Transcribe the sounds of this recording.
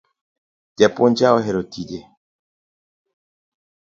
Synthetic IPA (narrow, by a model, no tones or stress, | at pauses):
tɛpond͡ʒaoɦɛɾotide